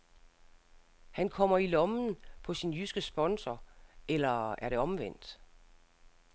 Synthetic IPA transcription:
hænkʰɒ̽m̰ɐilɒ̽mn̩pʰɒ̽sinjysɡ̥əsb̥ɒ̽nsɐelɐæɐɾe̝ɒ̽mʋen̰d̥

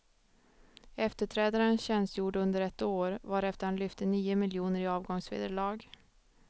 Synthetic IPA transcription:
ɛft̪əʈʰɾɛːd̪aɾənɕɛnsjuːɖɵnd̪əɾɛt̪ːoːɾvaɾɛft̪əɾhanlʏft̪ənyːʊmɪljuːnəɾɪɑːvɡɔŋsvḛːd̪əɭɑːɡ

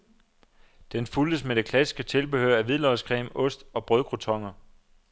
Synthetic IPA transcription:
d̥enfuld̥əsmed̥e̝kʰlæsi̥sɡ̥ət͡sʰe̝lb̥e̝hø̰ɐæʋiðˠlɒskʰʁɛ̰ːmɔ̽sd̥ɒ̽b̥ʁœðˠɡ̥ʁot͡sʰɒ̽ŋɐ

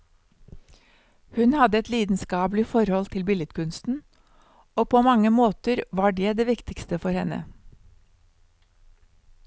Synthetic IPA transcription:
hʉnhɑd̪əɛt̪liːd̪n̩skɑːblɪfɔɾhɔlt̪ʰɪlbɪlɪt̪kʰʉnst̪n̩ | oːpʰoːmɑŋəmoːt̪əɾʋɑːɖeːd̪eːʋɪkt̪ɪkst̪əfɔɾhɛnə̰

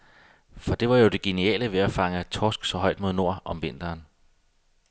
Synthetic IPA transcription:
fɒ̽d̥e̝ʋɑ̈jo̝d̥e̝ɡ̥e̝niɛ̰ːləʋe̝æfɑ̈ŋət͡sʰɒːsɡ̥sɒ̽ɦɒ̽ɪ̰d̥mo̝ð̞ˠno̝ɐ̰ʔɒ̽mʋe̝n̰d̥ɐːn

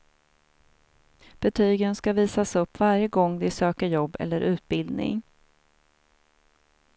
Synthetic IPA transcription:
b̥ɛt̪ʰyːɡənskaviːsasɵpːvaɾjəɡɔŋːd̪ɪsøːkəɾjɔbːɛ̰lːəɾʔʉ̟ːt̪̚bɪld̪nɪ̰ŋ

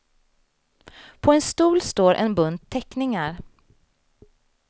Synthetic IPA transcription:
pʰɔɛnst̪uːlst̪oːɾʔɛ̰nbɵnd̪̚t̪ʰːɛknɪŋaɾ

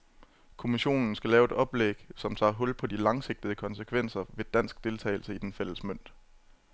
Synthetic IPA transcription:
kʰo̝miɕo̝̰ːnn̩sɡ̥ælɛːʊe̝d̥ɾɒ̽b̥leɡ̥sɒ̽mt͡sʰɑ̰̈ːɦɔ̽l̰pʰɒ̽d̥ilɑ̈ŋse̝ɡ̥̚d̥ið̩ˠəkʰɒ̽nsəkʰʋen̰sɐʋe̝d̥æn̰sɡ̥d̥e̝lt͡sʰɛ̰ːɪl̩səid̥enfel̰əsmøn̰d̥

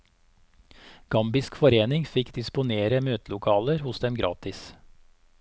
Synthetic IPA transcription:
ɡ̥ɑmbɪskfɔɾeːnɪŋfɪkd̪ɪspʊneːɾəmøːt̪lʊkʰɑːləɾhʊsd̪ɛmɡɾʔɑ̰ːt̪ɪs

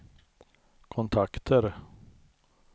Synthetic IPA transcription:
kʰɔnt̪ʰakt̪ʰəɾ

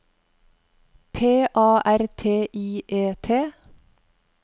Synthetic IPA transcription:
pʰeːʔɑːʔæɾt̪ʰeːʔiːʔeːt̪ʰeː

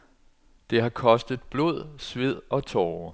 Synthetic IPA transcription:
d̥e̝ɦɑ̈kʰɒ̽sd̥ð̩ˠb̥lo̝ð̞̰ˠsʋe̝ð̞̰ˠɒ̽t͡sʰɒː

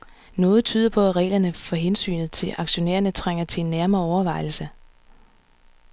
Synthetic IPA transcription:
nɔ̽ːð̞̩ˠt͡sʰy̰ːð̞̰ˠɐpʰɒ̽æʁɛ̰ːlɐnəfɒ̽ɦensy̰ːnð̞̩ˠt͡sʰe̝lʔɑ̈ɡ̥ɕo̝nḛːɐnət͡sʰʁaŋ̰ɐt͡sʰe̝enːæɐmɐːɒʊɐʋɑ̈ɪl̩sə

